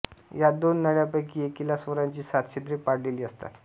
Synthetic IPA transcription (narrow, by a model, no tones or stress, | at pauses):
jad̪onːəɽjapəjkiːekilasʋəɾaɲt͡ɕiːsat̪ɕid̪ɾiːpaɽleliːəst̪a̰t̪